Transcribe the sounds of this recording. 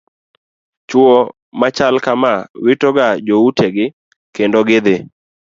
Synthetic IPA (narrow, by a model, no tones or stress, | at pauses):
t͡ʃwo | mat͡ʃalkamawɪtɔɡad͡ʒoutʰeɡɪ | kendoɡɪd̪ɪ